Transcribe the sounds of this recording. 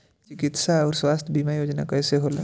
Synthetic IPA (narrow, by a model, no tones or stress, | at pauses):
t͡ʃɪkɪt̪saɔːɾswaːst̪ʰəbimajoːd͡ʒna̰kɛːseɦolḛ̃